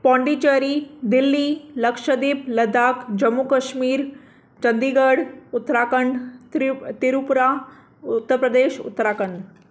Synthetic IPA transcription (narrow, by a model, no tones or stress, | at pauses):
pɔ̃ɳɖit͡ɕəɾid̪ilːiləkʂəd̪iːpləd̪akd͡ʑəmːukəʃmiːɾ | t͡ʃənd̪iɡəɽut̪ːɾakəɳɖ | t̪iɾupuɾa | t̪ːəɾpɾəd̪eːʃṵt̪ːɾakəɳɖ̪